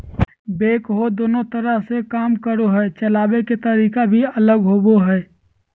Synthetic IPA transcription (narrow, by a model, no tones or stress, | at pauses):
beːkɦod̪oːnot̪əɾəɦsekaːmkəɾoɦɛt͡ʃəlaːbeket̪əɾiːkabʱiələɡɦoboɦɛː